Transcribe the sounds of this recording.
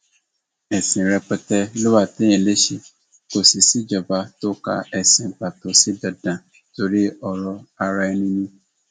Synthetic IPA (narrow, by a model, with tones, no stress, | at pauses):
ɛ˨sĩ˨ɾɛ˧pɛ˧tɛ˧lo˦wa˦˨tẽ˦ɛ̃˨le˦ʃe˧ | ko˦si˨si˦d͡ʒɔ˨ba˧˦to˦ka̰˧ɛ˨sĩ˨ba˨to˨si˨˦da˧dã˨ | to˧ɾi˦ɔ˧ɾɔ˧a˧ɾa˧ɛ˧nĩ˧nĩ˧